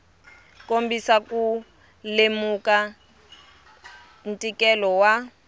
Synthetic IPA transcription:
kombisaku | lemuka | n̩tʼikɛlɔwa

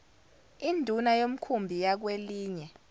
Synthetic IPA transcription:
indʱunajom̩kʰumbʱijak̬weliːɲɛ

